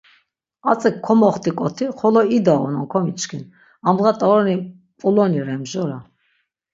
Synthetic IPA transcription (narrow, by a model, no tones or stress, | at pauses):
at͡sʼɛkʰːɔmɔχt̪ʰikʼɔt̪ʰiχɔlɔid̪aɔ̰nɔnkʰɔmit͡ʃʰʼkʰin | amʁat̪ʼaɾɔni | pʼulɔniɾɛmʒɔɾa